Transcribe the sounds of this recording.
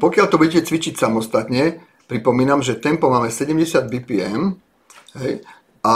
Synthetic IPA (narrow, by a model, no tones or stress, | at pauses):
pɔkɪalt̪ɔbuɟɛcɛt͡sʋit͡ʃicsamɔst̪at̪ɲɛ | pɾipɔmiːnamʒɛt̪ɛmpɔmaːmɛsɛɟɛmɟɛsɪad̪biːpiɛm | ɦɛj | a